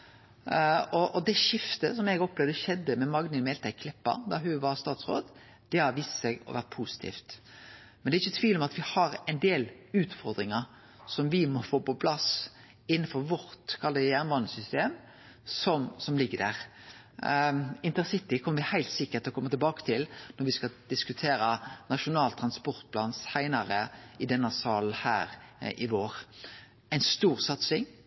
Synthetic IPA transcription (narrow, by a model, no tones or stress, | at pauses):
ɔʔɔd̪ɛʃɪft̪əsɔmɛɡɔplɛʋd̪əʃɛd̪ːəmɛmɑɡnəmɛːlt̪ʰæɪkʰlɪpːə̰ɾd̪ɑɦʉʋɑɾst̪ɑːt̪sɾo̰ːd̪ | d̪̥ɛhɑɾʋiːssɛɡɔ̰ʋæ̰ɾt̪̚pʰuːsɪ̥t̪ʰḭːft̪ | mɛnɛɾɪçːət̪ʰʋiːlɔmɑt̪ʋɪhɑɾɛɪnd̪eːlʉːt̪fɔɾd̪ɾɪŋəɾ | sɔmʋɪmɔfoːpɔpʰlɑs | ɪn̩ːfɔɾʋɔɾt̪kʰɑlːəjæːʁnʋɑnəsʏst̪eːm | sɔmsɔmlɪɡːəd̪æːʁ | ɪnt̪əʁsɪt̪ɪkʰɔməʋɪhæɪlt̪sɪkːəɾt̪ʰɪlɔkʰɔmːət̪ɪlbɑːkə̥t̪ʰɪlnɔɾʋɪskɑd̪̥ɪskʉt̪ʰeːɾənɑʃʊnɑːlt̪ʰɾɑnspɔɾt̪̚pʰlɑːnsæɪnɑɾəɪd̪ɛnːɑsɑːln̩hæ̰ːɾɪʋoːɾ | æɪnst̪uːɾsɑt̪sɪŋ